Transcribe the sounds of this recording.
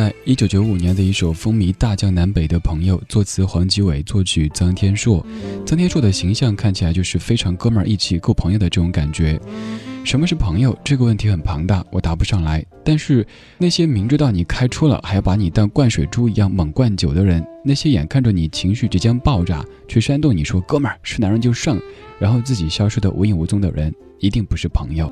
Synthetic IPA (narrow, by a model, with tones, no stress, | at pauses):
a˥˧ɪi˥t͡ɕjo˧˥ʊt͡ɕjo˧˥ʊu˨˩njɛ˧˥nd̪ə˧i˥˩ʂo˨˩ʊfɤ˥ŋmi˧˥t̪a˥˩t͡ɕjɑ˥˩ŋna˧˥npe˨˩ɪd̪ə˦pʰɤ˧˥ŋjo˧ʊt͡swɔ˥˩t͡sʰɹ̩˧˥xwɑ˧˥ŋt͡ɕi˧˥we˨˩ɪt͡swɔ˥˩t͡ɕʰy˨˩t͡sɑ˥ŋt̪ʰjɛ˥nʂwɔ˥˩t͡sɑ˥ŋt̪ʰjɛ˥ʂwɔ˥˩d̪ə˩ɕi˧˥ŋɕjɑ˥˧ŋkʰa˥˩nt͡ɕʰa˧˥ɪt͡ɕjo˥˧ʊʂɻ̩˥˩fe˥ɪʈ͡ʂʰɑ˧˥ŋkɤ˥mə˞˨˧˥ʔi˥˧t͡ɕʰi˧˩kɤ˥˩pʰɤ˧˥ŋjo˧ʊd̪ə˩˧ʈ͡ʂɤ˥˩ʈ͡ʂʊ˧˥ŋka˨˩nt͡ɕɥɛ˧˥ʂə˧˥mə˧ʂɻ̩˥˩pʰɤ˧˥ŋjo˧ʊʈ͡ʂɤ˥˩ɡə˩wə˥˩nt̪ʰi˧˥xə˨˩npʰɑ˧˥ŋt̪a˥˩wʔɔ˨˩t̪a˧˥pu˧˥ʂɑ˥˩ŋla˧˥ɪt̪a˥˧nʂɻ̩˥˧ | na˥˩ɪɕjɛ˥mi˧˥ŋʈ͡ʂɻ̩˥t̪ɑ˥˩ʊni˨˩kʰa˥ɪʈ͡ʂʰu˥lə̰˨xa˧˥ɪjpa˧˥ni˨˩t̪ɑ˥˧ŋkwa˥˩nʂwe˨˩ʈ͡ʂu˥i˧˥jɑ˥˩ŋmɤ˨˩ŋkwa˥˩nt͡ɕjo˨˩ʊd̪ə˦ɻə˧˥nna˥˩ɕjɛ˥jɛ˨˩nkʰa˥˩nʈ͡ʂə˨˩ni˨˩t͡ɕʰi˧˥ŋɕy˥˩ʈ͡ʂɻ̩˧˥t͡ɕjɛ˥npɑ˥˧ʊʈ͡ʂa̰˥˩ | t͡ɕʰɥɛ˥˩ɕɥa˥nt̪ʊ˥˩ŋni˨˩ʂwɔ˥kɤ˥mə˞˨˩ʂɻ̩˥˩na˧˥ŋɻə˧˥t͡ɕo˥˧ʊʂɑ˥˩ŋɻa˧˥nxo˥˧ʊt͡sɹ̩˥˩t͡ɕi˨˩ɕjɑ˥ʊʂo˥d̪ə̰˨ʔṵ˧˥i˥˩ŋu˧˥t͡sʊ˥ŋd̪ə̰˨ɻə̰˧˥n | i˧˥t̪i˥˩ŋpu˧˥ʂɻ̩˥˩pʰɤ̰˧˥ŋjo˥˧ʊ